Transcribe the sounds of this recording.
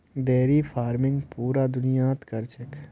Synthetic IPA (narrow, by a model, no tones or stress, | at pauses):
d̪ɛːɾifʰaːɾmɪ̃ŋɡpuːɾad̪ʊnijaːt̪kɐɾt͡ʃək